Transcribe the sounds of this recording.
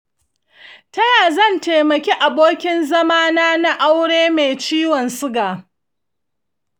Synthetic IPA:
tɐ˦jaː˨zɐ˦˨nteː˨mɐ˨kʲe˦ʔa˨boː˦kʲɪ˦nzɐ˦maː˦naː˦na˦ʔa˦wɽeː˦meː˨t͡ʃiː˦wɔ˨nsʊ˦ɡaː˨

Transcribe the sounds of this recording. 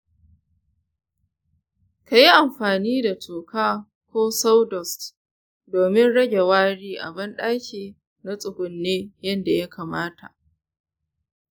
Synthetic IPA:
ka˨ji˦ʔa˨mɸaː˨niː˦da˨tʰuː˨kaː˦ | kʷoː˦sa˦wdɔ˨st | doː˨mɪ˦nɽɐ˦ɡʲe˨waː˦ɽiː˦ʔa̰˨bɐ˦nɗaː˦kʲeː˨ | na˦sʼʊ˨ɡʷʊ˨nːeː˦jɐ˦nda˨ja˦kʰaː˨maː˦tʰa̰˨ʔ

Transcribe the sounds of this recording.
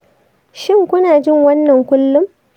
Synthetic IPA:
ʃɪ˦ŋkʷʊ˦naː˨d͡ʒɪ˦ŋwɐ˦nːɐ˨ŋkʷʊ˦lːʊ˦m

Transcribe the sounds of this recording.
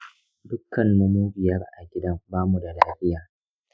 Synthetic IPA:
dʊ˦kːɐ˨nːu˦muː˦bɪ˨jɐ˦rʔa̰˨ɡʲɪ˦dɐ˦mbaː˦mu˨da˨laː˦ɸɪ˦jaː˨

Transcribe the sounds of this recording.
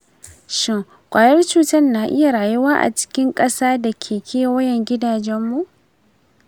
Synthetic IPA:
ʃɪ˦˨ŋ | kʷʼaː˨jɐ˦rt͡ʃuː˦tɐ˦rnaː˨ʔɪ˦ja˨ɽaː˨jʊ˦waː˦ʔa̰˨t͡ʃɪ̥˦kʲɪ˦ŋkʼɐ˦saː˦da˨kʲʰeː˨kʲʰeː˦wɐ˦jɛ˨ŋɡʲɪ˦daː˨d͡ʒɛ˦mːu˨ʔ

